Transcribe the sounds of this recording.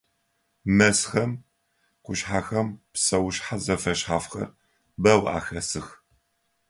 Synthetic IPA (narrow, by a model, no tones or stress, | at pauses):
mɐsxɐm | qʷʊʃħaːxɐmpsɐwɕħazɐfɐʃħaːfxɐ̰r | bɐwʔa̰ːxɐsɨx